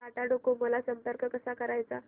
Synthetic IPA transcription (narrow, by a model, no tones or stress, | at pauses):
kaʈaɖokoməlasəmpəɾkəkəsakəɾajt͡sa